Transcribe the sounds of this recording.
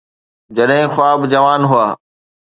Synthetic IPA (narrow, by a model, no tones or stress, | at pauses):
d͡ʑɐɗɦɪ̃xʊaːbd͡ʑɐʋaːnɦʊaː